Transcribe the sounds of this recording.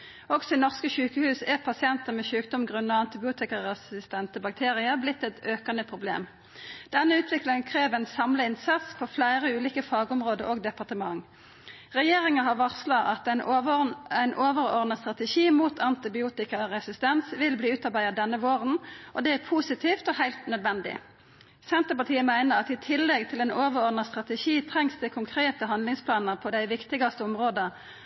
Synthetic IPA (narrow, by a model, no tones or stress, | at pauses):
ɔɡsɔɪnɔʁskəʃʉːkəhʉːsɛʁpʰɑsɪɛnt̪əʁmɛːʃʉːk̚d̪ɔmɡʁʉnɑɑnt̪ɪbɪuːt̪ɪkɑʁɛsɪst̪ɛnt̪əbɑk̚t̪ʰeːʁɪəblɪt̪ːɛt̪øːkɑnəpʰʁʊblḛːm | d̪̥ɛnːəʉːt̪ʰʋɪklɪŋənkʰʁeːʋæɪnsɑmləɪnsɑt̪spʰoflæɪʁəʉːliːkəfɑːɡɔmʁoːd̪əɾʔoːɡd̪ɛpɑʁt̪əmɑŋ | ʁɛjeːʁɪŋɑɦɑʋɑʁslɑʔɑt̪æn | æɪnʔoːʋəɾɔ̰ʁnɑst̪ʁɑt̪əʃiːmuːt̪ʰɑnt̪ɪbɪuːt̪ɪkɑʁɛsɪst̪ɛnsʋɪlbliːʉːt̪ɑʁbæɪɑd̪ɛnːəʋoːʁənʔɔd̪ɛæpʰuːsɪt̪ʰiːft̪ɔhæɪlt̪nœd̪ʋɛnd̪ɪ̰ | sɛnt̪əpɑt̪ʰiːəmæɪnəʁɑt̪ɪt̪ʰɪlːɛɡt̪ʰɪlɛɪnoːʋəʁɔʁnɑst̪ʁɑt̪əʃiːt̪ʰʁɛŋsd̪ɛkʰʊŋkʰʁeːt̪əɦɑnd̪lɪŋspʰlɑːnəʁpʰɔd̪æɪʋɪkt̪ɪɡɑst̪əɔmʁoːd̪ə